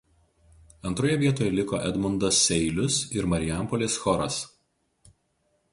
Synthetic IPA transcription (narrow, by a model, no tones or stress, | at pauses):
ɐnt̪ɾoːjɛʋʲiɛt̪oːjɛlʲɪkoːʔɛd̪mʊnd̪ɐsʲːɛɪlʲʊsɪɾmɐɾʲɪjæˑmpɔlʲeːsxɔɾɐs